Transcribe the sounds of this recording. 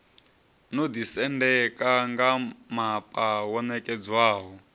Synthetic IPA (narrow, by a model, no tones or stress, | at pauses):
nod̪isɛndɛkʼaŋɡamapʼawɔnɛkʼɛd͡zwaːɦɔ